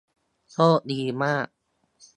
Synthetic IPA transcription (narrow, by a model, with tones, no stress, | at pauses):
sʰɔː˥˩diː˧maː˥˩k̚